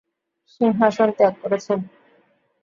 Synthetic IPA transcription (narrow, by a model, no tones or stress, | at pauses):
ʃiŋɦaʃont̪eak̚koɾet͡ɕʰen